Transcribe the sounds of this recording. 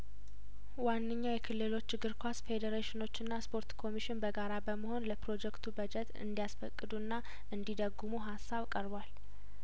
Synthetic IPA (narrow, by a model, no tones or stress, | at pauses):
wanːɨɲːajɛkʰɨlːɨlo̞t͡ʃːɪɡɨɾkʰʷasfe̞d̪əɾeʃɪno̞t͡ʃːɨnːaspʰo̞ɾt̪kʰo̞miʃɪnbəɡaɾabəməho̞nləpɾo̞d͡ʒɛkt̪ʰubəd͡ʒɛt̪ɨ̰nd̪ijasfəkʼːɨd̪unːa | ʔɨnd̪id̪əɡːumuɦasːaβkʼəɾβwal